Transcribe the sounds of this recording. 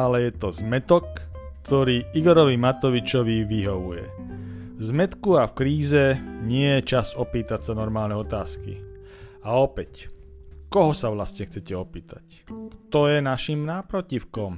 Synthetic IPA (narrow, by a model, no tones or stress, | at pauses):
alɛjɛt̪ɔzmɛt̪ɔkt̪ɔɾiːiɡɔɾɔʋimat̪ɔʋit͡ʃɔʋiʋiɦɔʋujɛ̰ | vzmɛt̪kuafkɾiːzɛɲɪɛjɛt͡ʃazɔpiːt̪acsanɔɾmaːlnɛɔt̪aːskḭ | aɔpɛc | kɔɦɔsaʋlasɲɛxt͡sɛcɛɔpiːt̪ac | kt̪ɔjɛnaʃimnapɾɔcifkɔm